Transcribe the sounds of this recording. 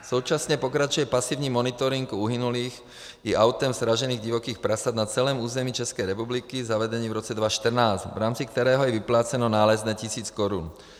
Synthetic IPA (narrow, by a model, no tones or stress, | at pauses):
suʊt͡ʃasɲɛpɔkɾat͡ʃujɛpasiːʊɲiːmːɔnit̪ɔɾiŋɡuɦinuliːx | iʔaʊt̪ɛmzɾaʒɛniːɣɟiʋɔkiːxpɾasad̪nat͡sɛlɛːmuːzɛmiːt͡ʃɛskɛjɾɛpublikizaʋɛd̪ɛɲiːvɾɔt͡sɛd̪ʋaʃt̪r̩naːzvɾaːmt͡sik̚t̪ɛɾɛːɦɔjɛʋiplaːt͡sɛnɔnaːlɛznɛːcisiːt͡skɔɾun